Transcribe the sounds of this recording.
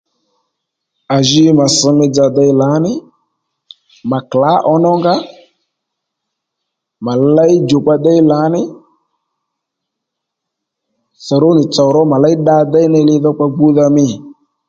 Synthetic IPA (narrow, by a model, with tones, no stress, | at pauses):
a˨ʒi˦ma˨sɪ˨mɪ˧d͡za˨da˧ɪ˦la˨˦nɪ˦ | ma˨kla˨˦ʔɔ˧nɔ˦ŋɡa˦ | ma˨la˦ɪ˦d͡ʒo˨k͡pa˧dɛ˦jla˨˦nɪ˦ | sa˨ɾo˦nɪ˨t͡sa˨ɾɔ˦ma˨la˦ɪ˦ɗa˧dɛ˦ɪ˦nɪ˧lɪ˧ðɔ˦k͡pa˧ɡ͡bu˦ða˧mɪ˦˨